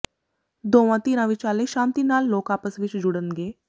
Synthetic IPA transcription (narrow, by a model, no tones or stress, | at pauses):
d̪oːʋãːt̪iːnãːʋɪt͡ʃaːleːʃãːnt̪iːnaːlːoːkaːpəsʋɪt͡ʃd͡ʒʊɽənɡeː